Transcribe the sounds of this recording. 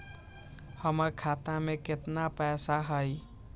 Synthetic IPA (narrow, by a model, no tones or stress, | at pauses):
həməɾkʰat̪amẽkɪt̪napɛːsaɦəj